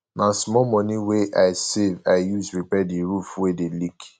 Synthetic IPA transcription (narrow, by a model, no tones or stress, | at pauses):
nãsmɔmɔ̃niweʔaɪsevaɪjusɹipɛdiɹufwedelik